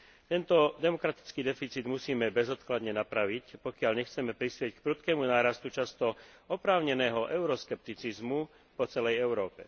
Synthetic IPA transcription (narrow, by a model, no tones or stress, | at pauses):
t̪ɛnt̪ɔd̪ɛmɔkɾat̪i̥t͡skiːd̪ɛfit͡siːd̪musiːmɛbɛzɔt̪klad̪ɲɛnapɾaʋicpɔkɪaʎɲɛxt͡sɛmɛpɾispɪɛck̚pɾut̪kɛːmunaːɾast̪ut͡ʃast̪ɔ | ɔpɾaːʊɲɛnɛːɦɔʔɛʊɾɔskɛp̚t̪it͡sizmu | pɔt͡sɛlɛjɛʊɾɔːpɛ̰